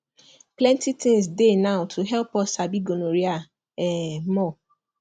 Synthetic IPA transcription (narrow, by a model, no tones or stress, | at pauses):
plɛ̃ntitʰes̬denãʊtʰuɦɛlpɔsabiɡonoɾia | ɛmɔ